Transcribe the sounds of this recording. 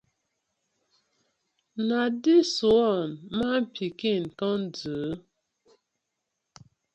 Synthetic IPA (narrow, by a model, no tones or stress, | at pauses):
nadisuɔnmam̩pʰikinkɔnd͡zə